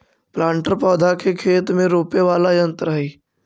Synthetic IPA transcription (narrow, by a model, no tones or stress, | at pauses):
plãːɳʈəɾpɔːd̪ʱakekʰeːt̪mẽɾoːpeʋaːlajə̃nt̪ɾaːiː